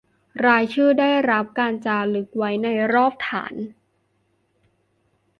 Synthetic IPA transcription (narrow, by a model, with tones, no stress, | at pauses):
ɾaː˧jt͡ɕʰɯː˥˩daː˥˩jɾa˦˥p̚kaː˧nt͡ɕaː˧lɯ˦˥k̚wa˦˥jna˧jɾɔː˥˩p̚t̪ʰa̰ː˩˦n